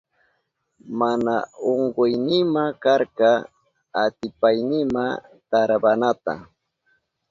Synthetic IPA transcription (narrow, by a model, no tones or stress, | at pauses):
manaoɴɢʊjnɪmakaɾkɑ | at̪ɪpajnɪma | t̪aɾabanat̪a̰